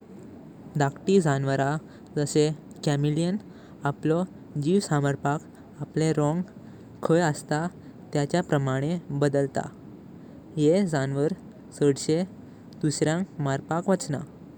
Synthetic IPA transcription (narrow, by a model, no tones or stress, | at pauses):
d̪akʈid͡zanʋəɾa | d͡zəse | kɛmilijən | aplɔ | d͡ʑiʋsaməɾpak | apleɾɔ̃ŋɡ | kʰəjəst̪a | t̪jat͡ɕjapɾəmaɽ̃ebəd̪əlt̪a̰ | jed͡zanʋəɾ | səɽɕe | d̪̥usɾjãŋkmaɾpakʋət͡sna̰